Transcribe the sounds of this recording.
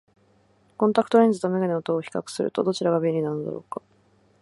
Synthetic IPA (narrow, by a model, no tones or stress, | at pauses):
kõ̞nt̪ɾakɯ̥t̪oɾẽnd͡zzɨt̪omeɡeneot̪oːçi̥kakɯ̟̥sɨɾɯ̟̰t̪o̞̰d̪o̞t͡ɕiɾaɡabeɾʲinanod̪a̰ɾo̞̰ːkḁ